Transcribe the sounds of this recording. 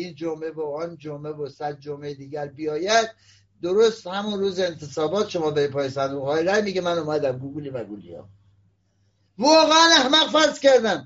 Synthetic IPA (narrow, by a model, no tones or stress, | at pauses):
iːnd͡ʒomeboɒnd͡ʒomevosæd̪̚d͡ʒomejd̪iːɡæɾbijɒːjæd̪̥̚ː | oɾost̪hæmunruːzeːnt̪ʰesɒːbɒːt̪ʃomɒːd̪ɒɾipʰɒːjisænd̪uɣɒːiɾæjmiɡemænumæd̪æmɡuɡulivæɡulḭjɒ̰ː | vɒːɣeænæhmæɣfæɾzkʲæɾd̪æm